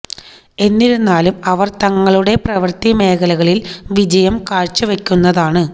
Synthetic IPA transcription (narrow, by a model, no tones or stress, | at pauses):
e̞nːiɾunːaːlumɐʋɐrt̪ɐŋːɐɭuɽe̞prɐʋɐrt̪ime̞ːkɐlɐɣɐɭilʋid͡ʑɐjɐmkaːɻt͡ɕːuʋe̞kʲːunːɐðaːɳɨ